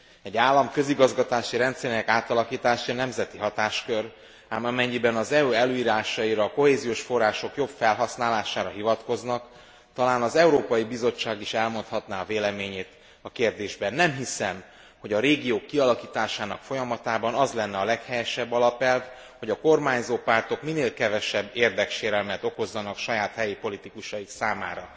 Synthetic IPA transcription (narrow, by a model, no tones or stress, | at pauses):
ɛɟaːlːɒmkø̞ziɡɒzɡɒt̪aːʃiɾɛnt̪sɛɾinɛkaːt̪ɒlɒkiːt̪aːʃinɛmzɛt̪iɦɒt̪aːʃkø̞r | amɒmɛɲːibɛnɒzɛuːɛløːiːɾaːʃɒiɾɒːko̞ɦeːzijoːʃfo̞rːaːʃo̞kjo̞bfɛlɦɒsnaːlaːʃaːɾɒɦivɒt̪ko̞znɒk | t̪ɒlaːnɒzɛuɾoːpɒjibizo̞t͡ʃːaːɡiʃɛlmo̞nt̪hɒt̪naɒveːlɛmeːɲeːt̪ | ɒkeːrd̪eːʒbɛnːɛmɦisɛm | ho̞ɟɒɾeːɡijoːkːiɒlɒkiːt̪aːʃaːnɒkfo̞jɒmɒt̪aːbɒnɒzlɛnːɛɒlɛkhɛjɛʃɛbːɒlɒpɛlv | ho̞ɟɒko̞rmaːɲzoːpart̪o̞kmineːlkɛvɛʃɛbːeːrd̪ɛkʃeːɾɛlmɛt̪o̞ko̞zːɒnɒkʃɒjaːt̪hɛjipo̞lit̪ikuʃɒjiksaːmaːɾɒ